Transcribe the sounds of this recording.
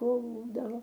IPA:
ˈkuːlˠdɐʋoː

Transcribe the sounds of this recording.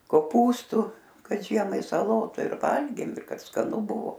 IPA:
koːˈpuːstʊ kɐt ˈʒʲiɛmɐɪ sɐˈlˠoːtʊ ɪr ˈʋɐlʲɡʲeːm ɪr kɐt skɐˈnʊ ˈbʊʋoː

